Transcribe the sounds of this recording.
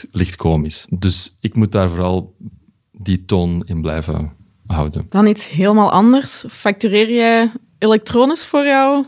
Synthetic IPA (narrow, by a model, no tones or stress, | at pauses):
lɪxtkoːmɪsdɵsɪkmut̚daːrvoːɾɑlˠ | ditoːnɪnblɛ̰jvə̰ | ɦɑ̰wdə̰nd̥ɑnitsɦeːləmaːlˠʔɑndərsfak̚tyreːrjɛj | elɛk̚troːnɪsfoːrjɔw